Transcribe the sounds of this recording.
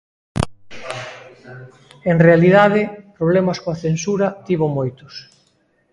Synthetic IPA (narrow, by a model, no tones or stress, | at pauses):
eŋrealiðað̞ɪpɾoβ̞lemɐskoaθensuɾɐt̪iβomojt̪ʊ̥s